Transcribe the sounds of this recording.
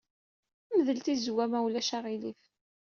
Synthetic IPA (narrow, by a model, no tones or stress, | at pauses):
məðəlt̪izwæmæwlæʃaʁilif